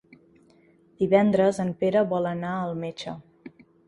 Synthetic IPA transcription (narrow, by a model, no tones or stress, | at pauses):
d̪̥iβɛnd̪ɾəzəmpeɾəβɔlənaəlˠmet͡ʃə